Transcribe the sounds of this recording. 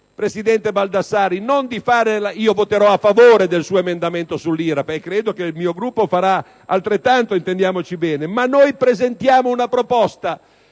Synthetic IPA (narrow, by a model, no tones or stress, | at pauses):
pɾesid̪ɛnt̪ebald̪asaːɾinond̪ifaːɾelaiːovot̪eɾɔafːavoːɾed̪elsuːoemend̪ament̪osulːiːɾapkːɾeːd̪okeilmiːoɡɾupːofaɾa | alt̪ɾet̪ːant̪oint̪end̪jaːmot͡ʃibɛːnemanːojpɾezent̪jaːmounapɾopɔst̪a